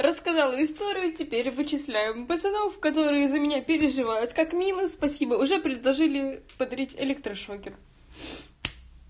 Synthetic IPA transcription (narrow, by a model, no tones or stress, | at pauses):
rəskɐzɑlˠəɪst̪o̞ɾʲɪjʊtʲɪpʲeɾʲvɨt͡ɕɪslʲæjɪmpəsɐnofkɐt̪o̞ɾɨjəzəmʲɪnʲapʲɪɾʲɪʐɨvajʊt̪kakmʲilˠɨspɐsʲibəʊʐɛpɾʲɪd̪lˠɐʐɨlʲɪpəd̪ɐɾʲitʲɪ̰lʲek̚t̪ɾəʂokʲɪr